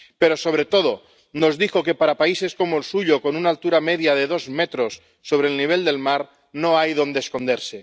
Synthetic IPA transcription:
pe̞ɾo̞so̞β̞ɾe̞t̪o̞ð̞o | no̞zðixo̞ke̞paɾapaise̞sko̞moelsuʎoko̞nunaːlt̪uɾameðjaðeðo̞zmet̪ɾo̞sː | o̞βɾelniβ̞e̞ld̪e̞lmaɾ | noajðo̞nd̪esko̞nd̪eɾse̞

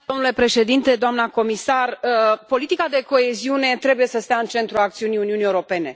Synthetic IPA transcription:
d̪o̞mnule̞pɾe̞ʃe̞d̪int̪e̞d̪oamnəko̞misarəpo̞lit̪ikad̪e̞ko̞e̞ziune̞t̪ɾe̞buje̞səst̪eaɨnt͡ʃe̞nt̪ɾuakt̪siunijuniunieuɾo̞pe̞ne̞

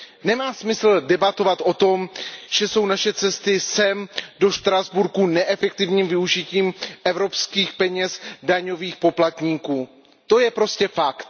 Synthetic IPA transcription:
nɛmaːsmɪsl̩dɛbat̪o̞vat̪ʔo̞t̪o̞mʒ̥ɛso̞wnaʃɛt͡sɛst̪ɪsɛmdo̞ʃt̪ɾazbuɾkunɛʔɛfɛk̚t̪ɪvɲiːmvɪuʒɪciːmʔɛvɾo̞pskiːxpɛɲɛsdaɲo̞viːxpo̞plat̪ɲiːkuː | t̪o̞jɛpɾo̞scɛfakt̪

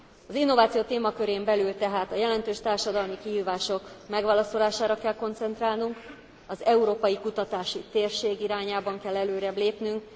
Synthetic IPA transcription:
ɒzin̪ːo̞vaːt̪sijoːt̪eːmɒkøɾeːmbɛlylt̪ɛɦaːt̪ɒjɛlɛnt̪øːʃt̪aːrʃɒd̪ɒlmikiɦiːvaːʃo̞kmɛɡʋaːlɒso̞laːʃaːɾɒkɛlko̞nt̪sɛnt̪raːlnuŋk | ɒzɛuɾoːpɒjikut̪ɒt̪aːʃit̪eːrʃeːɡiɾaːɲaːbɒŋkɛlːɛløːɾɛbleːpnyŋk̚

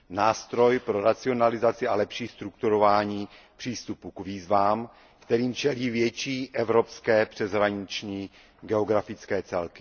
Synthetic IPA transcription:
naːst̪ɾo̞jpɾo̞ɾat͡sɪo̞nalɪzat͡sɪalɛpʃiːst̪ɾukt̪uɾovaːɲiː | pr̝̥iːst̪upukviːzvaːm | kt̪ɛɾiːmt͡ʃɛliːvjɛt͡ʃiːʔɛvɾo̞pskɛːpr̥ɛzɦɾaɲɪt͡ʃɲiː | ɡɛo̞ɡɾafɪt͡skɛːt͡sɛlkɪ̥

